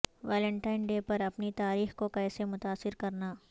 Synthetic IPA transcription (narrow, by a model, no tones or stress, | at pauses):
ʋɛːlə̃ɳʈaːɪnɖeːpɐɾɐpnit̪aːɾiːxkokɛːsemʊt̪aːsːɪɾkɐɾnaː